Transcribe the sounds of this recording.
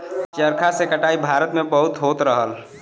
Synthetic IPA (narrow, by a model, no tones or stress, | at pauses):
t͡ʃəɾkʰasekəʈaibʱaɾət̪mẽbəɦʊt̪ɦot̪ɾəɦəl